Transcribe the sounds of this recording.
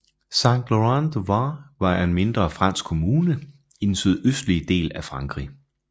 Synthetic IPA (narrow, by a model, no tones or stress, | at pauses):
sɑ̈ŋɡ̥loʁɑnd̥ʋɑʋɑ̈æɐenme̝nd̥ʁɐfʁɑ̈n̰sɡ̥kʰo̝muːnə | id̥n̩syð̞ˠøsd̥lid̥e̝̰ːlæfʁɑ̈ŋɡ̥ʁḭ